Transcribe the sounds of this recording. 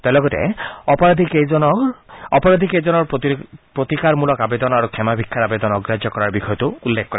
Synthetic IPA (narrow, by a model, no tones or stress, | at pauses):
t̪elɔɡɔt̪ḛɔpɔɾad̪ʱiked͡ʒɔnɔpɔɾad̪ʱikejd͡ʒɔnɔɾpɾot̪ikaɾmulɔkabed̪ɔnɔaɾukʰɛmabʱikʰːaɾabed̪ɔnɔɡɾad͡ʒjɔkɔɾaɾbixʰɔjɔt̪uulːekʰːkɔɾa